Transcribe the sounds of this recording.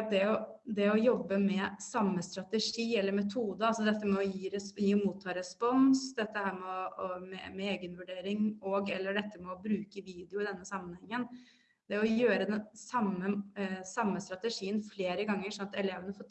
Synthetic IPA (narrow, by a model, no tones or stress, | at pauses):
d̪ɛɔd̪ɛɔjɔbːəmɛsɑmːəst̪ɾɑt̪əʂiːɛlːəɾmɛt̪ʰuːd̪əɑlsɔd̪ɛt̪ːəmɛɔjiːɾɛjiːmuːt̪ʰːɑːɾɛspɔnsd̪ɛt̪ːəhæːɾmɛɔɔmɛ̰mɛeːɡənʋʉɖeːɾɪŋoːɡɛlːəɖɛt̪ʰːəmɛɔbɾʉːkəʋiːd̪ɪʊɪd̪ɛnːəsɑmːənhɛŋːən | d̪̥ɛɔjøːɾəd̪ɛnsɑmːəsɑmːəst̪ɾɑt̪əʂiːənfleːɾəɡɑŋːəʂɔnɑt̪ɛleːʋənəfɔː